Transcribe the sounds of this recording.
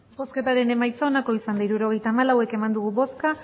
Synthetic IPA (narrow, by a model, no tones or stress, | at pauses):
bo̞ske̞t̪aɾe̞ne̞majt͡sao̞nako̞isand̪aiɾuɾo̞ɣ̞e̞jt̪aːmalawe̞ke̞mand̪uɣ̞ubo̞ska